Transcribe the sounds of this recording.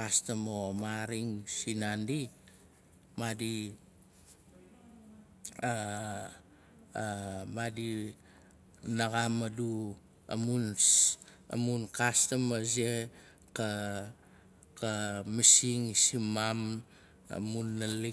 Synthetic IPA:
kastamomaɾiŋsinandi | madi | a | madi | naɡamadu | a̰mun | a̰munkastamaze | ka | kamisiŋsimam | a̰munːali

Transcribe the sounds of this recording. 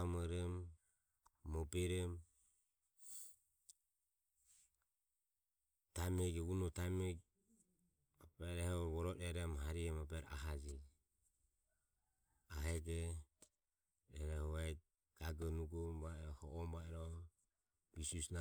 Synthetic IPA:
amɔɾɛm | ɔbɛɾɛm | t̪amɛɡɛunɔt̪amɛ | apɛɾɛhβɔɾɔɾɛɾɛmɦaɾiɛmapɛɾa̰ɦad͡ʒi | aɦɛɡɛ | ɾɛɾɛhɔa | ɡ̥aɡɔnuɡɔmbaɛɾɔhɔʔɔmbaɛɾɔ | βisusna

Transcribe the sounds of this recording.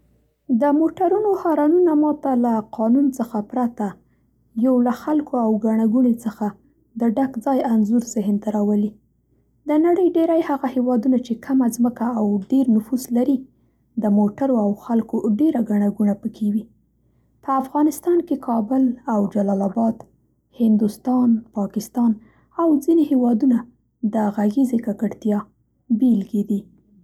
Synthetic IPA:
d̪əmoʈaɾunohɑɾɑnunamɑt̪alaqɑnunt͡səxapɾat̪a | jawlaxalkʰoawɡaɳ̃aɡuɳet͡səxa | d̪əɖakd͡zɑjanzuɾzɪɦnt̪aɾɑwəli | d̪ənaɽəjɖeɾajhaɣahewɑd̪unat͡ʃekʰamazməkaːwɖeɾnʊfuzlaɾi | d̪əmoʈaɾoawxalkoɖeɾaɡaɳaɡuɳapəkʰewi | pəafɣɑnɪst̪ɑnkekʰɑbʊlawd͡ʒalɑlabɑd̪ | hɪnd̪ust̪ɑnpɑkɪst̪ɑn | awd͡zinehewɑd̪una | d̪əɣaɣizekakəɽt̪jɑ | belɡed̪i

